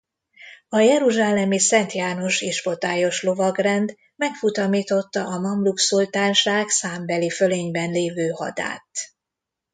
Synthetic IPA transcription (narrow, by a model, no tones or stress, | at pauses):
ɒjɛɾuʒaːlɛmisɛnt̪jaːno̞ʃiʃfo̞t̪aːjo̞ʃlo̞vɒɡrɛnd̪ | mɛkfut̪ɒmiːt̪o̞t̪ːɒʔɒmɒmluksult̪aːnʃaːksaːmbɛliføleːɲbɛnleːvøːhɒ̰d̪a̰ːt̪